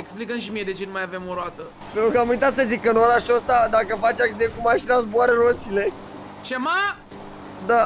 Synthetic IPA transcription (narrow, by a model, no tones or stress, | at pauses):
eksplikənʃ̬imijed̪e̞t͡ʃenumajavemoɾoat̪ə | pent̪ɾukəamujt̪at̪səzikɨnoɾaʃuəst̪ad̪akəfat͡ʃakd̪ekumaʃinazboaɾəɾot̪sile̞ | t͡ʃema | d̪a